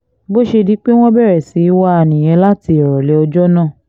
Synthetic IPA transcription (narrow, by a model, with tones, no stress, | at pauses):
bo˦ʃe˧di˨˦k͡pe˦w̃ɔ̃˦bɛ˦˨ɾɛ˨si˨˦i˦wa˦a˧nĩ˨j̃ɛ̃˨˧˦la˦ti˧ɔ˨ɾɔ˨lɛ˨ɔ˧d͡ʒɔ˦nã˦˨